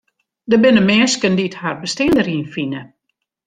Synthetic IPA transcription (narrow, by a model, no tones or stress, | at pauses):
dəbɪnəmɛːnskəndiətharbəstɛəndəɾiːnfinə